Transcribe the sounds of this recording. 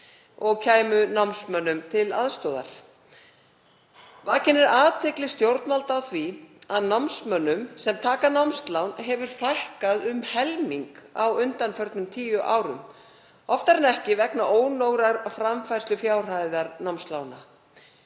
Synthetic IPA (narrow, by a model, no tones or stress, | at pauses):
ɔɣcʰaːjmʏnawmnsmœnːʏmt̪ʰɪlaðst̪ɔːða̰ɾ̥ | vaːcɪnɪɾaːt̪ʰɛklɪst̪jowɾt̪nmalt̪awθviaðnawmsmœnːʏmsɛmt̪ʰaːkanawmst̪lawnɦɛvʏɾ̥fajhkaðʏmhɛlmiŋka̰wʏnt̪anfœɾt̪nʏmt̪ʰiːjʏʔa̰ːwɾʏm | ɔft̪aɾnɛhcɪvɛknaʔoːwnowɣɾaɾfɾamfajɾ̥slʏfjaːwr̥ajðaɾnawmst̪lawna